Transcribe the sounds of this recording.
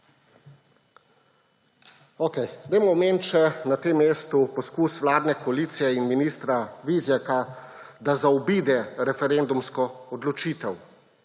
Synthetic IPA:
oːkɛjɡd̪ɛjmɔɔmeːnt͡ʃɛnat̪eːmːeːst̪upɔskuːsʋlaːd̪nɛkɔaliːt̪sijɛinminist̪ɾaʋizjɛkad̪azaɔbiːd̪ɛɾɛfɛɾend̪umskɔɔd̪lɔt͡ʃiːt̪ɛw

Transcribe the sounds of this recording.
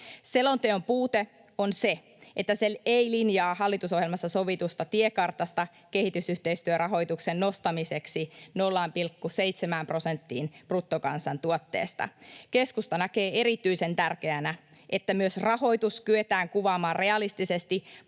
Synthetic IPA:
selont̪eompuːt̪e | onse | ʔet̪ːæseleilinjɑːhɑlːit̪uso̞hjelmɑsːɑso̞ʋit̪ust̪ɑt̪iekɑrt̪ɑst̪ɑ | ke̞hit̪ysyht̪eist̪yørɑɦo̞it̪uksenːo̞st̪ɑmise̞ksino̞lːɑmpilkːusejt̪semæːmpro̞sent̪ːiːnprut̪ːokɑ̰nsɑnt̪uot̪ːḛːst̪ɑ̰ke̞skust̪ɑnæke̞ːe̞ɾit̪yisent̪ærk̟eænæ | ʔet̪ːæmyøsrɑho̞it̪uskyet̪æːŋkuʋɑːmɑːrre̞ɑlist̪isest̪i

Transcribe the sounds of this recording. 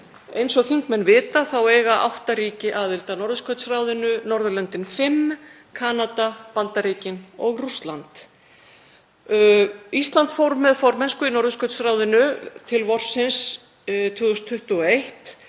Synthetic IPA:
ejnsɔɣθiŋkmɛnːvɪːt̪aθaweːjɣaʔa̰wht̪aɾiːcɪʔaːðɪlt̪anɔɾðʏskʰœɥt̪srawðʏnʏnɔɾðʏlɛnt̪ɪnfɪm | kʰaːnat̪apant̪aɾiːcɪnɔɣrust̪lant̪ | ist̪lant̪fowɾmɛðfɔɾmɛnskʏinɔɾðʏskʰœt̪sraːwðɪnʏt̪ʰɪlvɔr̥sɪns | t̪ʰvʏːɣʏst̪ʰːʏht̪ʏɔejht̪

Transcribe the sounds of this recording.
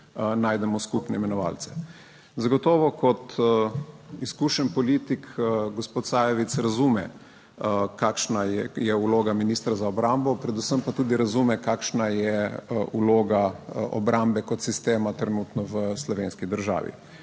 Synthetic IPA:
naːjd̪ɛmɔskupnɛimɛnɔʋa̰ːlt̪sɛ̥ | zaɡɔt̪ɔːʋɔkɔt̪ | iskuːʃɛnpɔliːt̪ikɡospoːt̪saːjɛʋit̪sɾazuːmɛ̰ | kakʃnajɛjɛuloːɡaminiːst̪ɾazaɔbɾambɔpɾɛd̪usəmpat̪uːd̪iɾazumɛkakʃnajɛuloːɡaɔ̰bɾʔambɛkɔt̪sist̪eːmat̪ɾɛnuːt̪nɔʋəslɔʋeːnskid̪əɾʒa̰ːʋḭ

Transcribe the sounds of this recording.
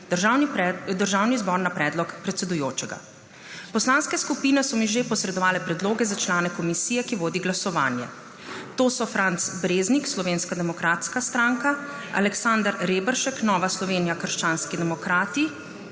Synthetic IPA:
ʒd̪əɾʒaːwnizbɔːɾnapɾɛːd̪lɔkpɾɛt̪sɛd̪ujoːt͡ʃɛɡa̰ | pɔslaːnskɛskupiːnɛsɔmiʒepɔsɾɛd̪ɔʋaːlɛpɾɛd̪loːɡɛzat͡ʃlaːnɛkɔmisiːjɛkiʋoːd̪iɡlasɔʋa̰ːnjɛ̰ | t̪oːsɔfɾʔant̪sbɾeːznikslɔʋeːnskad̪ɛmɔkɾaːt̪skast̪ɾaːŋka | a̰lɛksaːnd̪ɾɾeːbəɾʃɛknɔːʋaslɔʋeːnijakəɾʃt͡ʃaːnskid̪ɛmɔkɾaːt̪i

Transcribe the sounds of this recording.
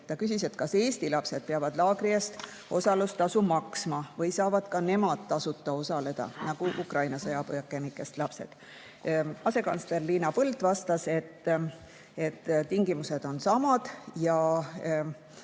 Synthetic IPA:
t̪ɑkysiset̪kɑseːst̪ilɑpse̞d̪̥̚peɑvɑd̪lɑːɡriɑst̪ | o̞sɑlust̪ɑsumɑksmɑvɤjsɑːvɑd̪̥kɑne̞mɑd̪̥̚t̪ɑsut̪ːˑɑo̞sɑle̞d̪̥ɑ̰nɑɡ̥uʔukrɑjnɑsɤjɑpojɑkːˑemikˑːe̞st̪lɑpse̞̰d̪̥ | ɑse̞kɑ̰nsle̞rliːnɑpɤld̪vɑst̪ɑse̞t̪ː | e̞t̪ːt̪ːiŋɡimuse̞d̪̥o̞nsɑmɑd̪̥jɑ

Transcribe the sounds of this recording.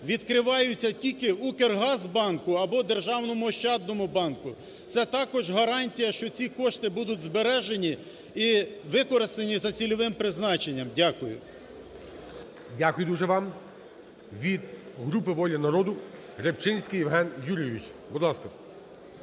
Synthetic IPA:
ʋʲid̪kɾɪʋɑjʊt͡sʲːɐtʲilʲkɪukerɦɑzbɑnkʊɐbɔd̪erʒɑwnɔmʊʃt͡ʃɑd̪nɔmʊbɑnkʊ | t̪sɛt̪ɑkɔʒɦɐɾɑnʲtʲijɐʃt͡ʃɔt͡sʲikɔʃt̪ɪbud̪ʊtʲzbeɾɛʒenʲi | iʋɪkɔɾɪst̪enʲizɐt͡sʲilʲɔʋɪmpɾɪznɑt͡ʃenʲːɐmdʲakʊjʊ̰ | dʲakʊjʊd̪uʒɛʋɑm | ʋʲid̪ | ɦɾupɪʋɔlʲɐnɐɾɔd̪ʊ | ɾept͡ʃɪnʲsʲkɪjɪwɦɛnjuɾʲijeʋʲit͡ʃbʊd̪lˠɑskɐ

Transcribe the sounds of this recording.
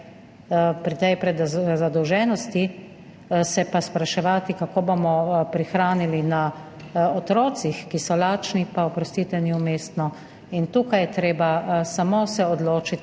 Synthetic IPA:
pɾit̪ɛjpɾɛd̪zad̪ɔwʒɛːnɔst̪i | sɛpaspɾaʃɛʋaːt̪ikakoːbomɔpɾixɾaːnilina | ɔt̪ɾoːt̪sixkisɔlaːt͡ʃnipaɔpɾɔst̪iːt̪ɛniumeːst̪nɔ | int̪uːkajɛt̪ɾeːbasamosɛɔd̪loːt͡ʃit̪

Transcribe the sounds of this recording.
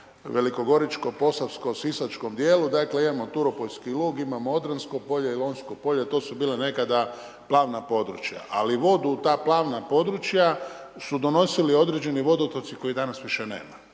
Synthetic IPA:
ʋe̞liko̞ɡo̞ɾit͡ʃko̞po̞safsko̞sisat͡ʃko̞md̪je̞ːlud̪akle̞imamot̪uɾopo̞ʎskilˠuːɡimamood̪ɾansko̞po̞ʎeilo̞ːnskopo̞ʎet̪o̞ːsubiːlene̞kad̪a | plˠaːʋnapo̞d̪ɾṵt͡ʃja̰ʔa̰liʋo̞d̪ut̪aːplˠaːʋnapo̞d̪ɾut͡ʃja | sud̪o̞no̞silio̞d̪ɾed͡ʒe̞niʋo̞d̪ot̪ot̪siko̞id̪anasʋiʃenḛːma

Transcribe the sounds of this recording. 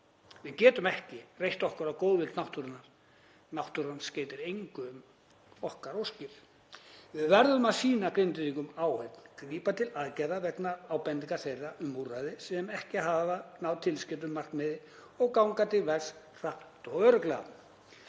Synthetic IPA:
vɪðcɛːt̪ʏmɛhcɪrejht̪ɔhkʏɾakowðvɪlt̪nawht̪ʏɾʏnːaɾ̥ | nawht̪ʏɾansceːjt̪ɪɾejŋkʏm | ɔhkaɾowscɪɾ̥ | vɪðvɛɾðʏmaðsiːnakɾɪnt̪ɪðiŋkʏmaːwhejpnkɾiːpat̪ʰɪlaðcajðavɛknaaːwpɛnːiŋkaɾθejraʔʏmːurajðɪsɛmɛhcɪɦavanawt̪ʰɪlscɪt̪̬ʏmːar̥knmɪðɪ | ɔɣkawŋkat̪ɪlvɛɾs | r̥ap̪t̪ɔɣœːɾʏklɛa̰n

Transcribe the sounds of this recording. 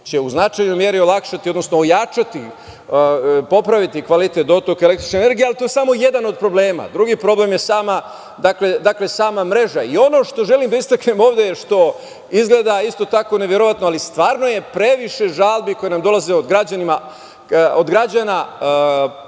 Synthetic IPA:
t͡ɕe̞uznat͡ʃajnojmje̞ɾiolˠakʃat̪io̞d̪no̞snoːjat͡ʃat̪i | po̞pɾaʋit̪ikʋalit̪et̪d̪o̞t̪okele̞kt̪ɾi̥t͡ʃnene̞ɾɡijealit̪o̞jesamo̞je̞d̪ano̞d̪̚pɾo̞bleːma̰d̪ɾuɡiːpɾo̞ble̞mjesaːma | d̪akle̞d̪akle̞saːmamɾe̞ʒaio̞no̞ʃt̪o̞ʒe̞limd̪aist̪akne̞mo̞ːʋd̪ejeʃt̪o̞ | izɡle̞ːd̪aist̪o̞t̪ako̞neʋje̞ɾo̞ʋat̪noalist̪ʋaːɾno̞jepɾe̞ʋiʃe̞ʒaːlˠbiko̞jenamd̪o̞lˠaze̞od̪ɡɾad͡ʑanima | od̪ɡɾad͡ʑana

